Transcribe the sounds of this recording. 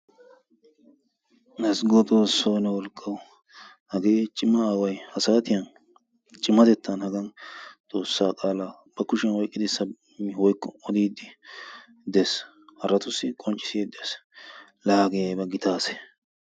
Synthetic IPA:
nɐsɡot̪ʼo̞ːsːoːnɛwɔlkʼːɐw | hɐɡe̞ːt͡ʃʼɪmːɐaːwɐjhɐsaːt̪ɪjɐn | t͡ʃʼɪmːɐd̪ɛt̪ːɐnhɐɡɐnt̪ʼo̞ːsːaːkʼaːla | b̥ɐkʊʃɪjɐnwɔjkʼːɪd̪ɪsːɐ | mwɔjkːɔɔd̪iːd̪ːɪ | d̪ɛs | hɐɾɐt̪ʊsːɪkʼɔnt͡ʃʼɪ̥sɪed̪ɛs | laːɡɪjɐjbɐɡɪt̪aːsɛ̥

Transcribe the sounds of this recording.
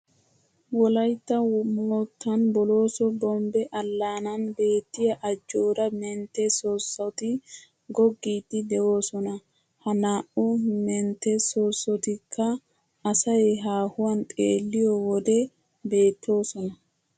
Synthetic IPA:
wɔlɐjt̪ːɐmɔt̪ʰːɐnbɔlo̞ːsɔbɔmbɛʔɐlːaːnɐnbe̞ːt̪ːɪjɐʔɐd͡ʒːo̞ːd̪ɐmɛnt̪ːɛsosːɔt̪ɪ | ɡɔɡːiːd̪ːɪd̪ɛwo̞ːsɔnɐ | hɐnaːʔʊmɛnt̪ːɛsoːsːɔt̪ɪkʰːɐ | ɐsɐjɛɦaːhʊwɐnt̪ʼeːlːɪjɔwɔd̪ɛ | be̞ːt̪ːo̞ːsɔnɐ

